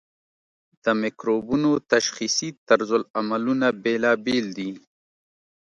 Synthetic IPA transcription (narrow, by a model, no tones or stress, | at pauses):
d̪̥əmɪkɾobunot̪aʃxisit̪aɾzʊlamalunabelabeld̪i